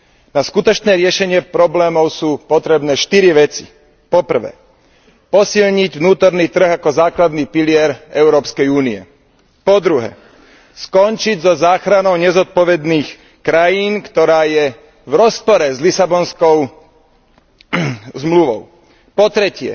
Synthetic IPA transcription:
naskut̪ɔt͡ʃnɛːɾɪɛʃɛɲɪɛpɾɔblɛːmɔʊsuːpɔt̪ɾɛbnɛːʃt̪iɾiʋɛt͡si̥̰ | pɔpr̩ʋɛ̰ː | pɔsilɲiɟʋnuːt̪ɔɾniːt̪r̩ɣakɔzaːklad̪niːpilɪɛɾɛʊɾɔːpskɛjuːniɛ̰ | pɔd̪ɾuɦɛ̰ː | skɔnt͡ʃiɟzɔzaːxɾanɔʊɲɛzɔt̪̚pɔʋɛd̪niːx | kɾajiːnkt̪ɔɾaːjɛ | ʋɾɔspɔɾɛzlisabɔnskɔʊ | zmluʋɔ̰ʊ | pɔt̪ɾɛcɪɛ̰

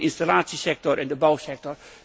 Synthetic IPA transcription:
ʔɪnstalaːtsisɛk̚tɔɹʔɛndəbɔwsɛk̚tɔr

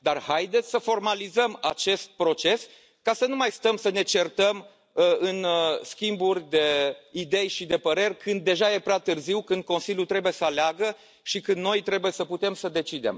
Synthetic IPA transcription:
d̪arhajd̪e̞t̪sʲsəfo̞rmalizəmat͡ʃe̞st̪̚pɾo̞t͡ʃe̞s | kasənumajst̪əmsəne̞t͡ʃe̞rt̪əm | ɨnskʲimburʲd̪e̞id̪e̞jʃid̪e̞pəɾe̞rʲkɨnd̪̚ːe̞ʒaje̞pɾʲeat̪ɨrziwkɨnd̪̚ko̞nsilʲjult̪ɾe̞bujesəaleaɡə | ʃikɨnd̪no̞jt̪ɾe̞buje̞səput̪e̞msəd̪e̞t͡ʃid̪e̞̰m

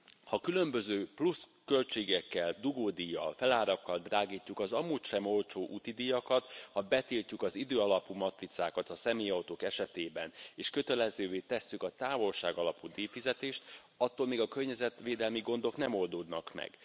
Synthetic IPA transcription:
hɒkylømbø̞zøːpluskø̞lt͡ʃeːɡɛkːɛld̪uɡoːd̪ijɒ̰lfɛlaːɾɒkːɒld̪raːɡiːcːukɒzɒmuːcʃɛmo̞lt͡ʃoːʔut̪id̪ijɒkɒt̪hɒbɛt̪iːlcːukɒzid̪øːɒlɒpumɒt̪rit̪saːkɒt̪ɒsɛmeːjɒwt̪oːkɛʃɛt̪eːbɛneːʃkø̞t̪ɛlɛzøːveːt̪ɛsːykɒt̪aːvo̞lʃa̰ːɡɒlɒpud̪eːfizɛt̪eːʃt̪ | ɒt̪ːoːlmeːɡɒkørɲɛzɛt̪ʋeːd̪ɛlmiɡo̞nd̪o̞knɛmo̞ld̪oːd̪nɒkmɛ̰ɡ̥

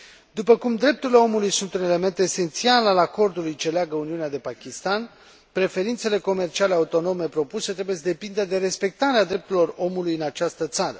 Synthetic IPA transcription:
d̪upəkumd̪ɾe̞p̚t̪uɾile̞o̞mulujsunt̪une̞le̞me̞nt̪e̞se̞nt̪sialalako̞rd̪ulujt͡ʃe̞leaɡəuniunead̪e̞pakʲist̪an | pɾe̞fe̞ɾint̪se̞le̞ko̞me̞rt͡ʃiale̞aut̪o̞no̞me̞pɾo̞puset̪ɾe̞bujesd̪e̞pind̪ed̪e̞ɾe̞spe̞k̚t̪aɾead̪ɾe̞p̚t̪uɾilo̞ro̞mulujɨnat͡ʃast̪ət̪saɾə̰

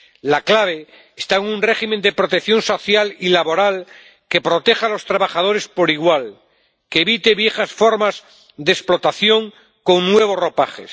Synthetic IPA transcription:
laklaβ̞e̞ː | st̪aeŋunre̞ximend̪e̞pɾo̞t̪e̞kθjo̞nso̞θjalilaβo̞ɾal | ke̞pɾo̞t̪e̞xalo̞st̪ɾaβaχaðo̞ɾe̞spo̞ɾiɣwal | keːβit̪e̞βje̞xasfo̞ɾmaz | d̪esplo̞t̪aθjo̞ŋ | ko̞ŋnwe̞β̞o̞sro̞paχe̞̰s

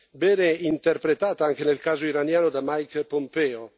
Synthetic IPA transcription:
bɛːneint̪erpɾet̪aːt̪aaŋk̟enelkaːzoiɾanjaːnod̪amajkpompɛːo

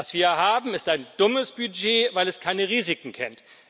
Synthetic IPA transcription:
asv̥iːɐjɦaːbm̩ɪstaɪnd̥ʊməsb̥yd͡ʒeːvaɪlɛskʰaɪnəʁiːzɪkŋ̩kʰɛ̰nt

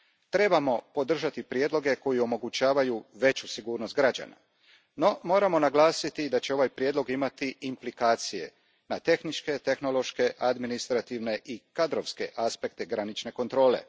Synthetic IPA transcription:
t̪ɾe̞bamo̞po̞d̪r̩ʒat̪ipɾje̞d̪lˠo̞ɡe̞ko̞jio̞mo̞ɡut͡ɕaːʋajuʋe̞t͡ɕusiɡuːɾnost̪ɡɾad͡ʑa̰na̰ | no̞mo̞ːɾamo̞naɡlaːsit̪id̪at͡ɕe̞o̞ʋajpɾjeːd̪lˠo̞ɡimat̪iʔːmplikaːt̪sije̞̰ | nat̪e̞xnit͡ʃke̞t̪e̞xno̞lˠo̞ʃke̞ʔad̪minist̪ɾat̪iʋne̞ʔikad̪ɾoʋske̞̰ʔaspe̞k̚t̪eɡɾanit͡ʃne̞ko̞nt̪ɾo̞ːle̞̰

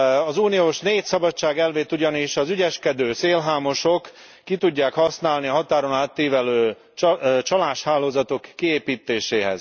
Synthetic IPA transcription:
ɒzuːnijoːʃneːt̪sɒbɒtt͡ʃːaːɡɛlveːt̪uɟɒniʃɒzyɟɛʃkɛd̪øːseːlɦaːmo̞ʃokː | it̪uɟːaːkhɒsnaːlniɦɒt̪aːɾo̞naːt̪ːiːvɛløː | t͡ʃɒlaːʃhaːloːzɒt̪o̞kːieːpiːt̪ːeːʃeːɦɛ̰z̥

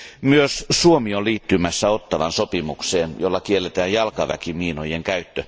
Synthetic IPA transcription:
myøssuomioliːt̪ːymæsːæot̪ːɑʋɑnsopimukseːnjolːɑkielːet̪æːjjɑlkɑʋæ̰kimiːnojeŋkæyt̪ːø

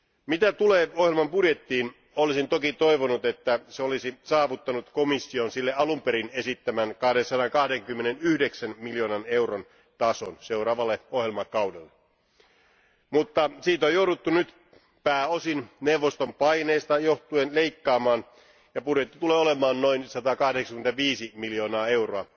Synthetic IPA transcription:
mit̪æt̪uleːohjelmɑmpudje̞t̪ːiːn | olisint̪okit̪oiʋonut̪e̞t̪ːæseolisisɑːʋut̪ːɑnut̪komisːionsilːeʔɑlumpeɾine̞sit̪ːæmænkɑhdensɑɾɑŋkɑhdeŋkymːenenyhde̞ksænmiljoːnɑne̞wron | t̪ɑso̰nse̞wrɑːʋɑlːeohjelmɑkɑwdelːe | mut̪ːɑsiːt̪ojowdut̪ːunyt̪ | pæːosinnewʋːost̪ompɑineːst̪ɑjoht̪uenle̞ikːɑːmɑːn | jɑpudet̪ːit̪uleːole̞mɑːnno̞insɑt̪ɑkɑhdeksɑ̥kyment̪æʋiːsimiljo̞ːnɑːe̞wroɑ

